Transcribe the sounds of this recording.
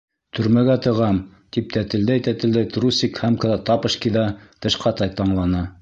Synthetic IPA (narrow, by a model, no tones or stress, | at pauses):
t̪ʰɵ̆ɾmæɡæt̪ɤ̆ʁɑm | t̪ip̚t̪æt̪ɘ̆ld̪æjt̪æt̪ɘ̆ld̪æjt̪rusʲikhæmkɤ̆ðɑt̪ɑpɤ̆ʃkʲiðɑt̪ɤ̆ʃqɑt̪ɑjt̪ɑɴlˠɑnɤ